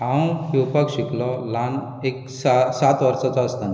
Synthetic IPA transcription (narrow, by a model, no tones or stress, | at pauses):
ãw̃hiupəkɕiklɔlan | ek | sasat̪ʋəɾsat͡sɔəst̪an